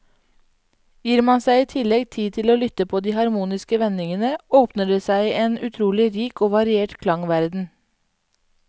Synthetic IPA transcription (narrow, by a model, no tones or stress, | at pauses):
jiːɾmɑnsæɪiːt̪ʰɪlɛɡt̪ʰiːt̪ʰɪloːlʏt̪əpʰoːd̪iːhɑɾmuːnɪskəʋɛnɪŋənəoːpnəɖeːsæɪeːnʉt̪ʰɾuːlɪɾiːkoːʋɑɾɪeːʈkʰlɑŋʋæɾd̪n̩